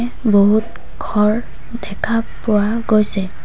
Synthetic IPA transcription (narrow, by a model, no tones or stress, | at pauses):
boɦut̚ | kʰɔɹ | dɛkʰapʊwa | ɡojsɛ